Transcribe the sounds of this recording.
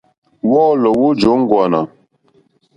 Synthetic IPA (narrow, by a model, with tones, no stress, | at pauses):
wɔː˦lɔ˨wu˦d͡ʒo˨˦ŋ˦ɡwa˨na˨